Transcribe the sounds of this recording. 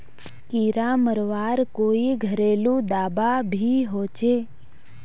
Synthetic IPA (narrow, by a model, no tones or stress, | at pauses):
kiɾaməɾʋaːɾkoːiɡʱəɾeːlũd̪aːbabʱiɦot͡ʃe